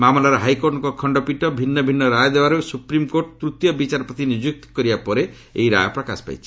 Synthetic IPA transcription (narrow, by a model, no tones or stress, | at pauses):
mamɔlaɾɔɦajkoɾʈɔŋkɔkʰɔɳɖɔpiʈɔbʱinːɔbʱinːɔɾajɔd̪ebaɾosupɾimkoɾʈt̪ɾut̪jɔbit͡ʃaɾɔpɾɔt̪inid͡ʒuk̚t̪ɔ̥kɔɾibapɔɾe̥ | eiɾa̰jɔpɾɔka̰spa̰jt͡ʃʰi̥